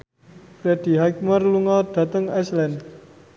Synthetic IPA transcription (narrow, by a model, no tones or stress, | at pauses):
fɾɛd̪̥i̤ɦajk̚mərluŋɔd̪̥ä̤t̪əŋɛslɛn